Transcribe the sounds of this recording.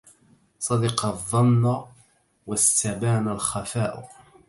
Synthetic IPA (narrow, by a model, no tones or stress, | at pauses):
sˤɑd̪ɑqɑðˤːɑnːa | wast̪abaːnalxafaːʔʊ̰